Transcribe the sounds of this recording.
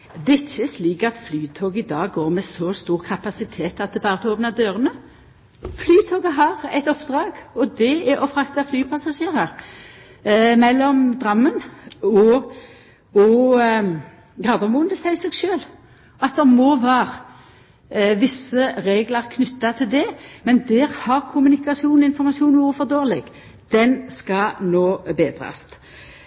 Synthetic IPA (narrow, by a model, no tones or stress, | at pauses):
d̪ɛɪçːəsliːkɑt̪flyːt̪ʰoːɡəɪd̪ɑːɡːoːʁmɛsɔst̪uːʁkʰɑpɑsɪt̪ʰeːt̪ɑt̪̚d̪ɛbɑːʁət̪ʰoːpnɑd̪øːɾənə | flyːt̪ʰoːɡəɦɑʁɛt̪ɔpd̪ɾɑːɡɔd̪ɛɛʔɔfɾɑkt̪ɑflyːpʰɑsɑʃeːʁɑɾ | mɛlːɔmd̪ɾɑmːənɔ | ɔ | ɡʁɑːd̪ɔmuːənd̪əsæɪsɛɡʃøːl | ɑt̪̚d̪ɛʁmoːʋɑːʁ | ʋɪsːəɾeːɡlɑɾkʰnʏt̪ːɑt̪ʰɪld̪ɛmɛnd̪ɛʁhɑʁkʰʊmʉnɪkɑsjuːnɔɪnfɔɾmɑsuːnuːfɔʁd̪oːʁlɪɡ̥ | d̪̥ɛnskɑnoːbeːd̪ʁɑ̰st̪